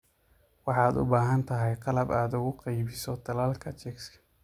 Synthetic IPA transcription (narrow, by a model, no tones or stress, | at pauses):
wɑħɑːd̪ʊ̰baːɦɐnt̪ʰɐɦɛjqɑlɐbaːd̪ʊɣʊqɑjbɪsɔd̪ʰɐlaːlkʰɐt͡ʃɛkskʰɐ̥